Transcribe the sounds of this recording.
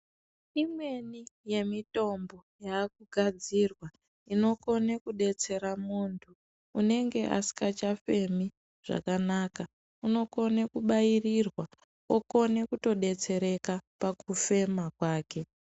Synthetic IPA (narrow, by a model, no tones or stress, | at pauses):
imwe̞nije̞mito̞mbo̞jaːk̚uɡʱad͡zirwa | ino̞ko̞nekuɗe̞t͡se̞ɾamuːntʰuː | ne̞ŋɡe̞ʔa̰si̥kat͡ʃafe̞mi | ʐ̥a̰kanaːka | uno̞ko̞nekuɓairirwa | oko̞nekuto̞ɗe̞t͡se̞ɾe̞kapakufe̞makwaːke̞